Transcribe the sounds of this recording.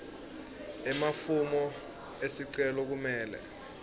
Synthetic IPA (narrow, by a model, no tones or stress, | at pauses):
ɛmafumɔ | esiǀɛlɔk̬umɛːlɛ̰